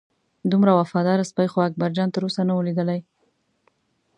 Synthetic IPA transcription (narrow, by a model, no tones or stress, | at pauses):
d̪umɾawafɑd̪ɑɾaspajxoak̚baɾd͡ʒɑnt̪əɾosanawəlid̪əlaj